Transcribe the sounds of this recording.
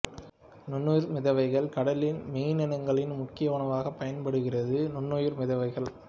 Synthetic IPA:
nʊnːɔjɪɾmɪðɐʋɐɪɣɐɭkɐɽɐlɪnmiːnɛnɐŋɡɐɭɪnmʊkːɪjɐʊɳɐʋaːɣɐpːɐjɐnpɐɽɯɣɪrɐðɯnʊnːɔjɪɾmɪðɐʋɐɪɣɐɭ

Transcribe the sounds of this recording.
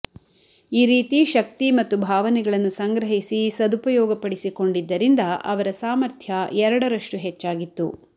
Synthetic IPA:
iːɾiːt̪iʃɐk̚t̪imɐt̪ːubʱaːʋɐnɛɡɐɭɐnːusɐŋɡɾɐɦisisɐd̪upɐjɔːɡɐpɐɽisiko̞ɳɖid̪ːɐɾind̪ɐʔɐ̰ʋɐɾɐsaːmɐɾt̪ʰjɐɛɾɐɽɐɾɐʂʈuɦet͡ʃːaːɡit̪ːu

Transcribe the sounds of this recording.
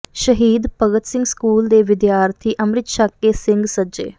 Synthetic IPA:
ʃəɦiːd̪pəɡət̪sɪ̃ŋɡskuːld̪eːʋɪd̪jaːɾt̪ʰiːʔəmɾɪt̪ʃakːeːsɪŋɡsəd͡ʒḛː

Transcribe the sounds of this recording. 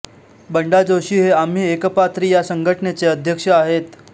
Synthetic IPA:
bəɳɖad͡zoɕiːɦeam̤iːekəpat̪ɾijasəŋɡʱəʈənet͡seəd̪ʱjəkʂəaɦet̪

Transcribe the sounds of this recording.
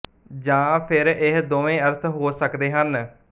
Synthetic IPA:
d͡ʒãːpʰɪɾɪɦd̪oːʋẽːəɾt̪ʰɦoːsəkd̪eːɦən

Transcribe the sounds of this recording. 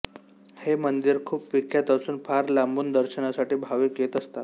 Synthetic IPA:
hemənd̪iɾkʰuːpʋikjat̪asuːnpʰaɾlambuːnd̪əɾɕənasaʈiːbʱaʋiːkjet̪əst̪a

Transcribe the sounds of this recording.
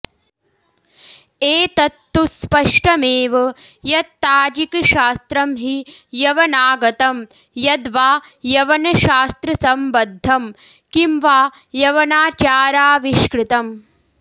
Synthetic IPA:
eːt̪ɐt̪ːuspɐʂʈɐmeːʋɐjɐt̪ːaːd͡ʒikʃaːst̪ɾɐmɦijɐʋɐnaːɡɐt̪ɐm | jɐd̪ʋaːjɐʋɐnɐʃaːst̪ɾɐsɐmbɐd̪ʱːɐm | kimʋaː | jɐʋɐnaːt͡ʃaːɾaːʋiʃkɾɪt̪ɐm

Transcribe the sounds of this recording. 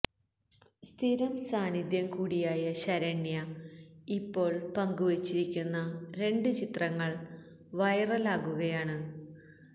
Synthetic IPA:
st̪ʰiɾɐmsaːnid̪jɐmkuːɽijaːjɐɕɐɾɐɳjɐ | ipːo̞ːɭpɐŋɡuʋet͡ɕːiɾikʲːunːɐɾe̞ɳɖɨt͡ɕit̪rɐŋːɐɭ | ʋɐjɐrɐlaːɣuɣɐjaːɳɨ

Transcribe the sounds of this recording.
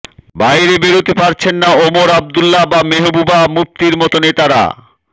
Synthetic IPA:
bajɾebeɾut̪epaɾt͡ɕʰenːaomoɾab̚d̪ulːabameɦububamup̚t̪iɾmɔt̪onet̪aɾa̰

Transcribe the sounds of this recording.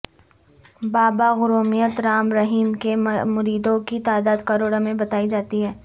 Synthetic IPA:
baːbaɣʊɾoːmijət̪ɾaːmɾɐɦiːmkemʊɾiːd̪õkit̪aːd̪aːd̪kɐɾoːɽamẽbɐt̪aːid͡ʒaːt̪iɦɛː

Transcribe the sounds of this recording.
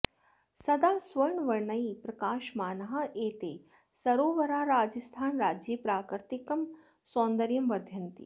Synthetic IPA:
sɐd̪aːsʋɐɾɳʋɐɾɳɐipɾɐkaːʃmaːnɐɦɐʔeːt̪eː | sɐɾoːʋɐɾaːɾaːd͡ʒɐst̪ʰaːnɾaːd͡ʒjipɾaːkɾt̪ikɐm | soːnd̪ɐɾjɐmʋɐɾd̪ʱjɐnt̪ḭ

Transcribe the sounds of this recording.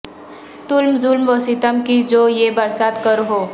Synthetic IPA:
t̪ʊlmzʊlmʋoːsit̪əmkid͡ʒoːjebɐɾsaːt̪kəɾɦoː

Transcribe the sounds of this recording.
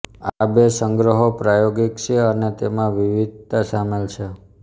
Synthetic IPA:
abesəŋɡɾəɦopɾajoɡikt͡ʃʰeənet̪emãʋiʋid̪̚t̪asamelt͡ʃʰe

